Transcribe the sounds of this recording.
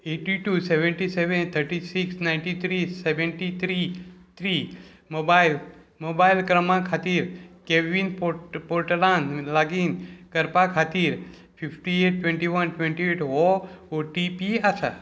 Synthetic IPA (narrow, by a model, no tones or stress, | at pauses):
eʈiʈuseʋẽɳʈiseʋent̪ʰəɾʈisiksnaɪ̃nʈit̪ʰɾiseʋẽɳʈit̪ʰɾit̪ʰɾi | mobail | mobailkɾəmãkʰat̪iɾkeʋinppoɾʈlanlaɡinkəɾpakʰat̪iɾ | pʰifʰʈieʈ̚ːʋẽɳʈiʋənʈʋẽɳʈieʈooʈipiasa̰